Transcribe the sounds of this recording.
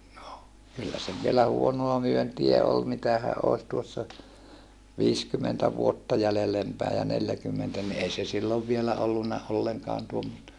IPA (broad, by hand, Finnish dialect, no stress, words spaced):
no kylːæ se ʋˑielæ huonoɑ myøntiæ ol mitæhæʔ ʔoˑi̯s tuosːɑ ʋiːskymentæ ʋuotːɑ jælːelem pæi jɑ neljækymːentæ ni ei se silːoʋ ʋielæ olːunːɑ olːeŋkɑːn tuomːostɑ